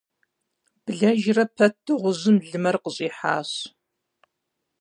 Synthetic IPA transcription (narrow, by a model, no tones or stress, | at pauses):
b̥ɨɮɐʒrɐpʰɐtʰːɨʁʷʊzɨmɮɨmɐrqəɕʼiːħa̰ːɕ